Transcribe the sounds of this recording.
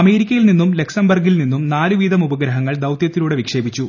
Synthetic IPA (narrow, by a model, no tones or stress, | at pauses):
ɐme̞ːɾikʲːɐjilninːumle̞ksɐmbɐrɡilninːumnaːluʋiːd̪ʱɐmubɐɡɾɐɦɐŋːɐɭd̪ɐwt̪jɐt̪ːiluːɽeʋikʂe̞ːbit͡ɕːu